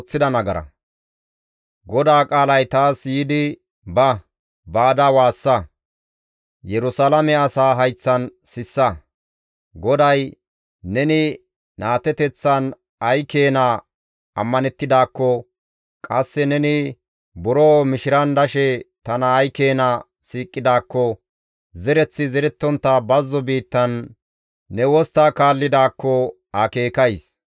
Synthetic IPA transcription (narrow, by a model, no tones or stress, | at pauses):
t͡sːɪd̪ɐnɐɡɐɾɐ̰ | ɡɔd̪aːkʼaːlɐjt̪aːsjiːd̪ɪ | bɐ | baːd̪ɐwaːsːɐ | jɛɾʊsalɐmɛɐsaːɦɐjt͡sːɐnsɪsːɐ | ɡɔd̪ɐj | nɛnɪ | naːt̪ɛt̪ɛt͡sːɐn | ɐjke̞ːna | ɐ̰mːɐnɛt̪ːɪd̪aːkːɔ | kʼɐsːɛnɛnɪ | bʊɾoːmɪʃɪɾɐnd̪ɐʃɛt̪ɐnɐːjke̞ːnɐ | siːkʼːɪd̪aːkːɔ | zɛɾɛt͡sːɪzɛɾɛt̪ːɔnt̪ːɐbɐzːɔbiːt̪ːɐnː | ɛwɔst̪aːkaːlːɪd̪aːkːɔ | ɐke̞ːkɐjs